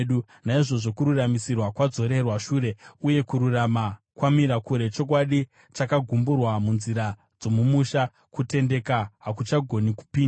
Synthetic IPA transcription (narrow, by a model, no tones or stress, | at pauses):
ɗu | naiʐo̞ʐo̞kuɾuramisirwakwad͡zo̞ɾe̞rwaʃuːɾe̞uje̞kuɾurama | kwamiɾakuɾe̞t͡ʃo̞kwaɗi | t͡ʃakaɡʱumburwamunziɾa | d͡zo̞mumuʃa | kute̞nde̞kaɦakut͡ʃaɡʱo̞niku̥piːnda